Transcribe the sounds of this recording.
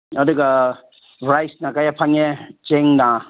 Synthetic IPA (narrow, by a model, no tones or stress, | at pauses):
adɯɡa | bɾajsnakajapʰaŋet͡ʃeŋna